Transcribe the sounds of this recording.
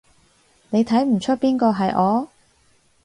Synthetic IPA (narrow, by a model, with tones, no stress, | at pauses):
ne˨˧jt̪ʰɐ˨˥jm̩˨˩t͡ʃʰɵ˥t̚piː˥nkɔː˧ɦɐ˨jʔɔː˨˧